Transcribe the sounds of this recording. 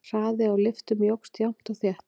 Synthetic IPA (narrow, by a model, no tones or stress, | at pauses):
r̥aːðɪawlɪft̪ʏmjowkst̪jawm̥t̪awθjɛht